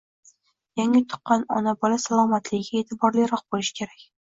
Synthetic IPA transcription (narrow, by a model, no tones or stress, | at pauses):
jaŋɪt̪ʰʊ̥qːɑnɒ̰nabɒlasalˠɒmat̪ʰlɪɡʲɪɡʲae̞t̪ʰɪbɒɾlɪjɾɒq̚b̥olɪʃɪ̥kʲʰe̞ɾakʲ